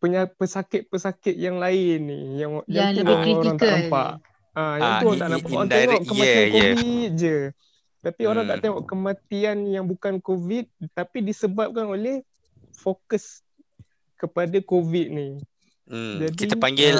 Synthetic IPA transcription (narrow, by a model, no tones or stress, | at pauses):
pəɲapəsakɪt̪̚pəsakɪt̪̚jaŋlaɪnːḭjaŋjat̪ulioɾaaŋt̪aʔnamppa̰ʔ | ajãuɾaŋt̪aʔnapaʔat̪eŋɔʔkəmatianoit̪̚d͡ʒə | t̪apioɾaŋt̪aʔt̪eŋɔʔkəmãt̪ianjaŋbukankovit̪̚t̪apidisəbap̚kanolɛh | fokəs | kəpadakovit̪̚ni | d͡ʒadkiapaŋɡɪl